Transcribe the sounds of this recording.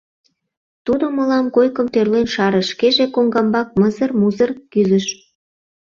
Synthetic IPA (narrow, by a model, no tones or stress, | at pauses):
t̪ud̪oməlɑmkojkəmt̪ørlenʃɑɾə̆ʃkeʒekoŋɡɑmbɑk̚məzərmuzərkyzəʃ